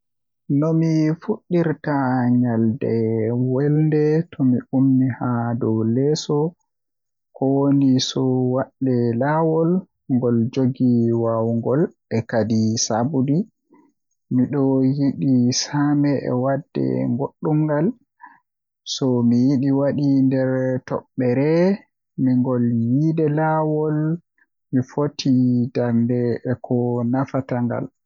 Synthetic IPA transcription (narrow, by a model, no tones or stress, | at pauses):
nɔmifuɗːiɾtaɲaldɛwɛlndɛtʰɔmiʔumːihadɔwlɛsɔ | kɔwonisɔwaɗːɛlawɔl | ŋɡɔld͡ʒoɡiwawŋɡɔlʔɛkadisabudi | miɗɔjiɗisamɛʔɛ̰wadːɛ̰ŋɡoɗːumːɡal | sɔmijiɗiwaɗindɛɾtɔ̰ɓːɛɾɛ | miŋɡɔljidɛlawɔl | mifotʰidaɾndɛɛkʰɔnafataŋɡa̰l